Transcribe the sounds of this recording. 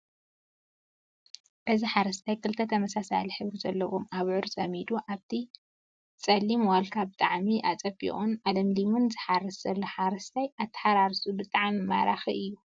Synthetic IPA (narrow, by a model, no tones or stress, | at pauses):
bɐziħaɾɐst̪ʰajkʰɨlt̪ʰɐt̪ʰɐmɐsasa̰liħɨβɾizɐlːɐwomaβʕʊɾzɐmid̪uʔaβt̪ʰi | t͡sʼɐlːimwalkʰabɨt̪ʼaʕmiʔat͡sʼɐbʼḭʔʼunʕalɐmlimɨnzɨħaɾɨsz̥ɐlːoħaɾɐst̪ʰajat̪ʰːɐ̥ħaɾaɾsubɨt̪ʼaʕmima̰ɾaxiɨjːu